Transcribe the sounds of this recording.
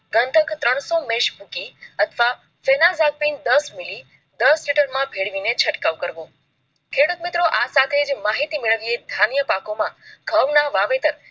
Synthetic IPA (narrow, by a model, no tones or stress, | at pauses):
ɡənt̪ʰəkt̪ɾəɳ̃somẽʃbʱũkiət̪ʰʋa | fenazak̚pind̪əsmili | d̪əsliʈəɾmãbʱeɭʋinet͡ʃʰəʈkaʋkəɾʋo | kʰeɽut̪mit̪ɾoʔasat̪ʰed͡ʒmaɦit̪imɪɭəʋied̪ʱanijəpakomãɡʱəʋnaʋaʋet̪əɾ